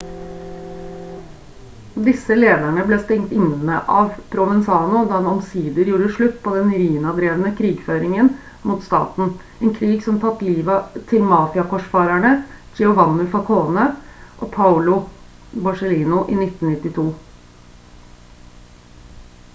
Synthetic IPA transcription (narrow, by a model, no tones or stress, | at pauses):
d̪ɪsəleːd̪æɳəbleːst̪ɛŋt̪ɪnənə̰ʔɑːʋpʰɾʊʋɛnsɑːnʊd̪ɑːd̪ɛnɔmsiːd̪əɾjuːɾəʂɭʉt̪ːpʰoːd̪ɛnɾiːnɑd̪ɾeːʋənəkʰɾiːɡføːɾɪŋən | muːt̪st̪ɑ̰ːt̪n̩ | eːnkʰɾiːɡsɔmt̪ʰɑt̪ːliːʋət̪ʰɪlmɑːfɪɑkɔʂfɑːɾæɳəd͡ʒɛʊʋɑnʊfɔkʰoːnəʔoːpʰɑʊlʊ | bɑʂəliːnʊʔḭːnɪt̪n̩nɪt̪ːɪt̪ʰuː